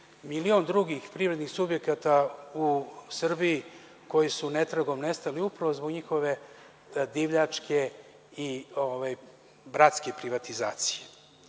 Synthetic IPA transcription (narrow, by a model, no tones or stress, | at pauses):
milio̞nd̪ɾuɡixpɾivɾe̞d̪nixsubje̞kat̪ausr̩biji | ko̞jisunet̪ɾaɡo̞mnest̪aliupɾaʋozboɡɲixo̞ʋe̞ | d̪iʋʎat͡ʂkʰe | iovaj | bɾat̪ske̞pɾiʋat̪iza̰ːt̪si̥je